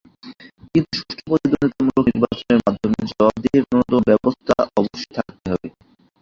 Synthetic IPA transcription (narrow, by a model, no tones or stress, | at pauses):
kint̪uʃuʃtʈʰopod̪id̪unit̪amuokniɾbat͡ɕoneɾmad̪ʱːomed͡ʑɔbab̚d̪ieɾnɔnod̪obɛbost̪ʰa̰ʔɔboʃːojt̪ʰak̚t̪eɦɔbe